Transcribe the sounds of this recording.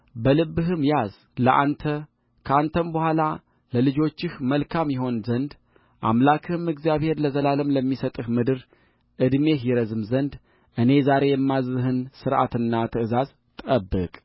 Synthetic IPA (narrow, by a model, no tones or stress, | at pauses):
bəlɨbːɨɦɨmjaz | ləʔa̰nt̪ʰə | kʰəant̪ʰəmbəhʷala | ləlɨd͡ʒo̞t͡ʃːɪhməlkʰamjɪɦo̞nzənd̪ | ʔa̰mlakʰɨhɨmɨɡzijaβhe̞ɾləzəlaləmləmːisət̪ʼɨhmɨd̪ɨɾ | ʔɨd̪me̞ɦjɪɾəzɨmzənd̪ | ʔɨne̞zaɾe̞jɛmːazɨɦɨnsɨɾʔa̰t̪ɨnːat̪ʰɨɨzaz | t̪ʼəbːɨ̰kʼ